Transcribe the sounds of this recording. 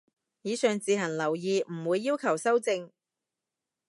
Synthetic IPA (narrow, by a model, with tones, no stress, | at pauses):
jiː˨˧sœː˨ŋt͡siː˨˧ɦɐ˨˩nlɐ˨˩wjiː˨m̩˨˩wuː˨˧jːiː˥wkʰɐ˨˩wsɐ˥wt͡sɪ˧ŋ